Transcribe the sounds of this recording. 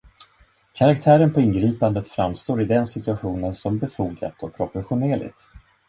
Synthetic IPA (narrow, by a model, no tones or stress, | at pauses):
kʰaɾakt̪ʰæːɾənpʰɔɪnɡɾiːpand̪ət̪fɾa̰mst̪oːɾɪd̪ɛnsɪt̪ɵaɧuːnənsɔmbɛfuːɡa̰t̪ɔk̚pʰɾɔpɔɾɧʊneːlɪ̰ɡt̪